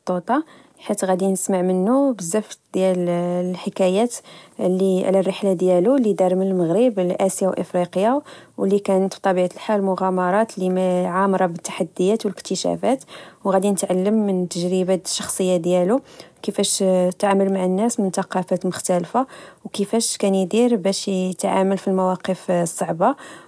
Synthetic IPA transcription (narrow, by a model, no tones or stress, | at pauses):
t̪ˤːot̪ˤɑ | ħit̪ɣæd̪inəsmaʕmənːubəzːæft̪d̪jællħəkæjæt̪lːiʕlærːəħlad̪jælulid̪ɑɾˤməlməɣɾiblʔæsjawʔə̰fɾiqjawəlːikænət̪b̚t̪ˤɑbiʕat̪əlħalmʊɣæmɑɾˤɑt̪limæʕamɑɾˤɑbət̪ːḁħad̪ːəjæt̪wələkt̪əʃæ̰fæt̪wɣæd̪inət̪ʕalːəmːənt̪ːəʒɾibaʃːɑxsˤəjːad̪jælukəfæʃt̪ʕaməlmaʕənːæsmənt̪ɑqɑfæt̪mʊxt̪ælfawkəfæʃkænjəd̪iɾbæʃət̪ʕa̰məlfilmæwɑqəfsˤːɑʕba